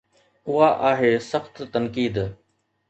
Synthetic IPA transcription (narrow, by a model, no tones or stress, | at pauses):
ʊɦaːʔaːɦeːsəxt̪ːənkiːd̪